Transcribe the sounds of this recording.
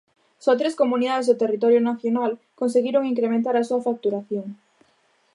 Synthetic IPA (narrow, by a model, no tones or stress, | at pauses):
sɔt̪ɾeskomuniðaðezðʊt̪erit̪ɔɾjonaθjonal | konseɣiɾoŋiŋkɾemẽnt̪aɾɐsuɐfak̚t̪uɾaθjoŋ